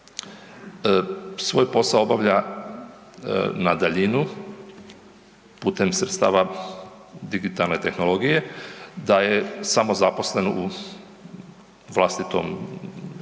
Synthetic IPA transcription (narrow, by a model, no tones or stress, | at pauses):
sʋo̞ːjpo̞sao̞baʋʎa | nad̪aʎinu | puːt̪e̞msɾet̪st̪a̰ːʋa | d̪iɡit̪alˠne̞t̪e̞xno̞lˠo̞ɡije̞d̪aje̞samo̞zaposle̞no̰ʔu | ʋlˠast̪it̪o̞̰m